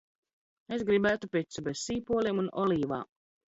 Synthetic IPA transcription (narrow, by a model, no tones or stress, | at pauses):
esɡɾibæːt̪upʲet̪subɛssiːpuɔlʲiːmunɔliːva̰ː